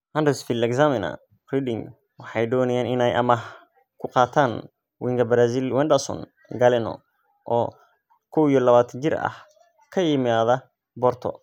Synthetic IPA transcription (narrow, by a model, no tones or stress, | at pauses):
hɐndɛsfɪlɛksamɪnɐ̰ | ridɪŋ | wɑħɑjdɔːnɐjaːnɪnɛjʔɐ̰mɐɦ | kʰʊqɑːt̪ʰaːn | wɪŋɡɐbɐɾaːzilwɛnd̪ɐsɔ̰n | ɡɐlɛnɔ̰ | ʔɔː | kʰɔwijɔlɐβaːt̪ʰɐt͡ʃɪrɐ̰h | kʰɐjɪmaːðɐ | bɔrt̪ʰɔ̰